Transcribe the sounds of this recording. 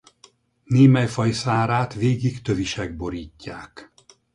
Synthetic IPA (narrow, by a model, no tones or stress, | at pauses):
neːmɛjfɒjsaːɾaːt̪ʋeːɡikt̪ø̞viʃɛɡ̚bo̞ɾiːcːaːk